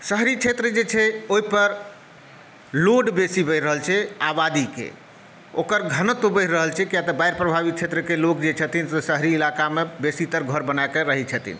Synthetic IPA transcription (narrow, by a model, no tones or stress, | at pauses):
səɦɾit͡ʃʰet̪ɾəd͡ʒet͡ʃʰɛoɦipəɾ | loɖbesibəɾːəɦəlt͡ʃʰɛabad̪ikḛ | o̰kəɾɡʱənət̪ubəɾəɦəlt͡ʃʰɛkijat̪əbajɾpɾəbʱabit̪̚t͡ʃʰet̪ɾəkelokd͡ʒet͡ʃʰət̪insesəɦɾiːlakamebesit̪əɾɡʱəɾbənakeɾəɦit͡ʃʰət̪ḭn